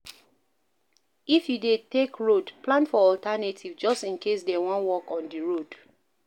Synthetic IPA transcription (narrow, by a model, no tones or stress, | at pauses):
ifjudetekɹodplãnfɔɔltanetʰivd͡ʒɔstĩnkʰes̬dɛwɔ̃nwɔkɔ̃ndiɹod